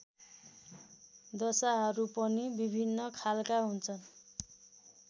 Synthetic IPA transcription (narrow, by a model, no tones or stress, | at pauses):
d̪ʌsaɦʌɾupʌnibibʱinːʌkʰalkaɦunt͡sʰʌn